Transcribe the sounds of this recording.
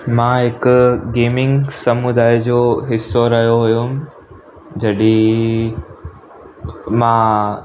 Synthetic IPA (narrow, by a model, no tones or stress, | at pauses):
mãːɦɪkʊɡeːmɪ̃ŋɡsɐmud̪aːid͡ʑoːɦɪsːoɾɐɦijoɦujum | d͡ʑɐɗi | mãː